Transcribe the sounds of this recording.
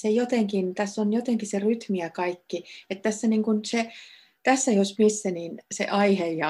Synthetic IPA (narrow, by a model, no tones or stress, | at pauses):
sejot̪eŋkint̪æsːonjot̪eŋkiseryt̪miækɑikːiet̪t̪æsːæniŋkunse | t̪æsːæiosmisːæniːnsḛʔɑiheijɑ